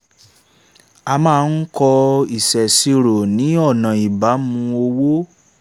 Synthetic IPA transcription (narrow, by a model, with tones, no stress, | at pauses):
a˧mãː˦˧˦n̩˦kɔ˧i˨sɛ˨si˧ɾo˨nĩ˨˦ɔ˦˨nã˨i˨ba˨˦mũ˧o˧wo˦